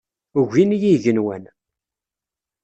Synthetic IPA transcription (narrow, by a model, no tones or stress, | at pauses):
ɣʷinjiʝənwæn